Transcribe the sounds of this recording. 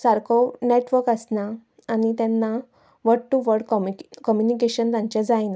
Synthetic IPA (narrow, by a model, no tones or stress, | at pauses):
saɾkʰɔneʈʋəɾkəsnaː | nit̪ɛnːa | ʋəɽʈːuʋəɾɖkɔmjunikeɕənt̪ãɲt͡ɕjad͡zajn